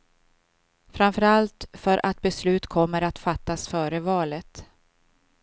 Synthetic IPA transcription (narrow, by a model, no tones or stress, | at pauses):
fɾamfœɾalt̪fœɾʔat̪̚bɛslʉ̟ːt̪kʰɔmːəɾat̪fat̪ːasfœːɾəvɑːlət̪